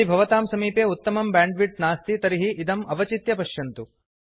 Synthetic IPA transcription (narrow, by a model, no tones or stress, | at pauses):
ibʱɐʋɐt̪aːmsɐmiːpjeut̪ːɐmɐmbaːɳɖʋiʈ̚naːst̪it̪ɐɾiɦiʔid̪ɐmɐʋɐt͡ʃit̪jɐpɐʃjɐnt̪u